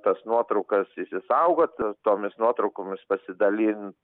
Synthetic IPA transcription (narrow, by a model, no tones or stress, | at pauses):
t̪ɐsnuɔt̪ɾɐʊkɐsɪʃʲsʲɪsɐʊɡoːt̪t̪oːmʲɪsnuɔt̪ɾɐʊkoːmʲɪspɐsʲɪd̪ɐlʲiːn